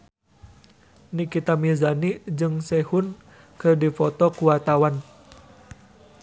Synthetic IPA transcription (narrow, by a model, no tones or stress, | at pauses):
nikit̪amizanid͡ʒɨŋsɛhun | kɨrdifɔt̪ɔkuwat̪awan